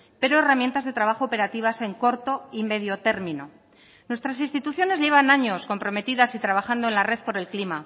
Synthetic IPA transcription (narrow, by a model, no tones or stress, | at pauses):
pe̞ɾo̞e̞ramje̞nt̪azðe̞t̪ɾaβaxo̞ːpe̞ɾat̪iβ̞ase̞ŋko̞ɾt̪o̞ime̞ð̞jo̞t̪e̞ɾmĩno̞ | nwe̞st̪ɾas̬inst̪it̪uθjo̞ne̞zʎe̞β̞anaɲo̞sko̞mpɾo̞me̞t̪iðasit̪ɾaβaxand̪oe̞nlare̞ðpo̞ɾe̞lklima